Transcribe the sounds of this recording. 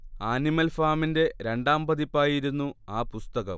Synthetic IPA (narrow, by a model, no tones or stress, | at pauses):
aːnimɐlfaːminde̞ɾe̞ɳɖaːmbɐðipːaːjiɾunːuaːpust̪ɐɣɐ̰m